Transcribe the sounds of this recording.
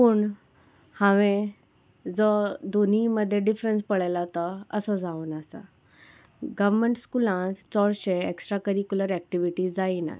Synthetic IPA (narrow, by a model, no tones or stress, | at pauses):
puːɳ | hãʋẽ | d͡zɔd̪ʱon̤iməd̪ʱːjeɖifɾenspəɭajlat̪əəsɔd͡zauːnasa̰ | ɡəʋməɳʈskulãt͡st͡sɔɽɕeeksʈɾakəɾikjuləɾæk̚ʈiʋiʈiːd͡zaina̰